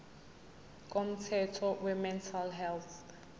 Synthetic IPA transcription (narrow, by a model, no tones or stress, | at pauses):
kʼɔm̩tʰɛtʰɔwɛmɛntʰalɦɛlθ